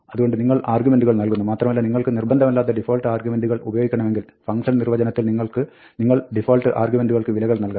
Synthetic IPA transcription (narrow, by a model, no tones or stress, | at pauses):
ɐðuɣo̞ɳɖɨniŋːɐɭaːrɡumenɖuɣɐɭnɐlkunːumaːt̪rɐmɐlːɐniŋːɐɭkɨnirbɐnd̪ʱɐmɐlːaːt̪ːɐɖifoːlʈɨaːrɡjumenɖuɣɐɭubɐjoːɡikʲːɐɳɐmeŋɡil | fɐŋɡʂɐnnirʋɐd͡ʑɐnɐt̪ːilniŋːɐɭkɨ | niŋːɐɭɖifoːlʈɨʔaːrɡjume̞nɖuɣɐɭkɨʋilɐɣɐɭnɐlka